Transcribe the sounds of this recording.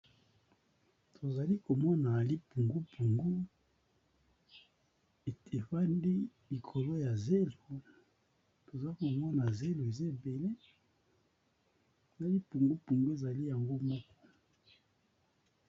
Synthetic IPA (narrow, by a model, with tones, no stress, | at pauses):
tʰo˨za˨li˦ko˨mɔ˦na˨li˦pu˨ŋɡu˦pʰu˨ŋɡu˦ | e˨te˨fa˦ndi˦li˨kʰo˨lo˦ja˨ze˦lo˨ | to˨za˨˦ko˨mɔ˦na˨ze˦lo˨e˨zi˦e˨be˨le˦˨ | na˦li˦pu˨ŋɡu˦pu˨ŋɡu˦e˨za˨li˦ja˨ŋɡo˦mɔ˦kɔ̥˦